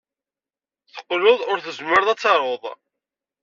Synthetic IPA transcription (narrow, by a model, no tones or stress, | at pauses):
θə̥qːlʊðˤʊɾθəzməɾðˤæt͡sːɑɾˤoðˤ